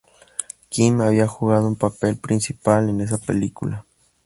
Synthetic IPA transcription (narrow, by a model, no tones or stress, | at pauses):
kimaβiaxuɣaðoumpapelpɾinsipalenes̬apḛlikula